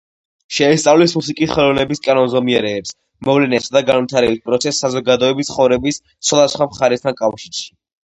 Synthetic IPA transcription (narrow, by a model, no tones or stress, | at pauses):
ʃɛɛst̪sʼavlismusikʼisχɛlˠɔvnɛbiskʼanɔnzɔmiɛɾɛːps | mɔvlɛnɛsad̪aɡanvit̪ʰaɾɛbispʼɾɔt̪sʰɛsːazɔɡad̪ɔɛbit̪ʰχɔvɾɛbis | t̪sʰχwad̪asχwamχaɾɛst̪ʰankʼafʃiɾʃi̥